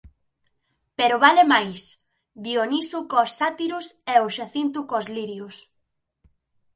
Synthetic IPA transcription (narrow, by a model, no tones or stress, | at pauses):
peɾʊβalemajs | βionisukosːat̪iɾʊsɛoʃaθint̪ukozliɾjos